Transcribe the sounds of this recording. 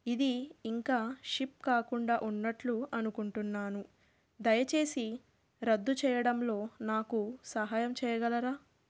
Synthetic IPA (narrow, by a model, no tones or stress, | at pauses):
id̪iːŋkaːʂip̚kaːkuɳɖaːʔunːɐʈluɐnukuɳʈunːaːnu | d̪ɐjɐt͡ʃe̞ːsi | ɾɐd̪ːut͡ʃɛːjɐɽɐmlo̞ːnaːkusɐɦaːjɐmt͡ʃɛːjɐɡɐlɐɾaː